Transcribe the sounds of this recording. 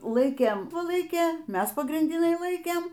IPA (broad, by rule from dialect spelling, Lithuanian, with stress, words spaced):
ˈlˠɐɪkʲeːm pʊ ˈlˠɐɪkʲeː ˈmʲɛs pɐɡrʲɪnʲdʲɪˈnɐɪ ˈlˠɐɪkʲeːm